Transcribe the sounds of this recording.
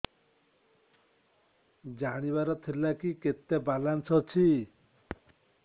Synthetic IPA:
d͡ʒaɽ̃iβaɾɔt̪ʰilakiket̪ebalansɔt͡ʃʰi

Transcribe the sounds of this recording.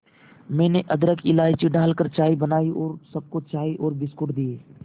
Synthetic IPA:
mẽːneʔəd̪ɾəkʰɪlaːit͡ʃiɖaːlkəɾt͡ʃaːibənaːiʔoːɾsəb̚kot͡ʃaːiːʔoːɾbɪskʊɽd̪ieː

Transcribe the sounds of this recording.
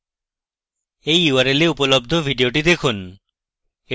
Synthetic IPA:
ejuaɾeleupolob̚d̪ʱobʱiɖioʈid̪ekʰun | e

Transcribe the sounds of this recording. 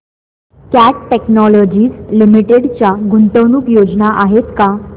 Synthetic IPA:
kæʈʈeknɔlɔd͡ʑiːd͡zlimiʈeɽt͡ɕjaɡunt̪əwnuːkjod͡znaʔaɦet̪ka

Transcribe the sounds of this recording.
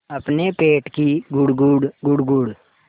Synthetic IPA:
ɐpnepeːʈkiɡʊɽɡʊɽɡʊɽɡʊɽ

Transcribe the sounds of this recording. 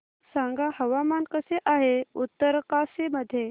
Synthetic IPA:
saŋɡahɐʋaːmaːnkəseʔaːɦeut̪ːəɾkaːsemɐd̪ʱje

